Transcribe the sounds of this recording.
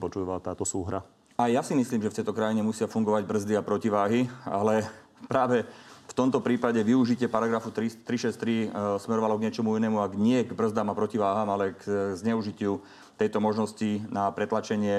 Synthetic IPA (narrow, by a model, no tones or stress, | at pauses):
pɔt͡ʃuʋat̪aːt̪ɔsuːɦɾa | ajjasimisliːmʒɛft̪ɛjt̪ɔkɾajiɲɛmusɪafuŋɡɔʋaɟbr̩zd̪iapɾɔciʋaːɦia̰lɛ | pɾaːʋɛft̪ɔmt̪ɔpɾiːpaɟɛʋiuʒicɪɛpaɾaɡɾafut̪ɾist̪ɾiʃɛst̪ɾismɛɾɔʋalɔɡɲɪɛt͡ʃɔmuinɛːmuaɡɲɪɛɡbr̩zd̪amapɾɔciʋaːɦaːmalɛkzɲɛuʒicɪu | t̪ɛjt̪ɔmɔʒnɔscinapɾɛt̪lat͡ʃɛɲɪɛ